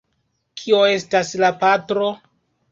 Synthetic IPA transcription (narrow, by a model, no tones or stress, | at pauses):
kʰio̞e̞staslapatɾo̞